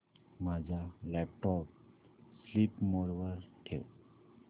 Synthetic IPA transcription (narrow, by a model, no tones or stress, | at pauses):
mad͡ʑʱalɛp̚ʈɔp̚ | slipmɔɾʋaɾʈʰew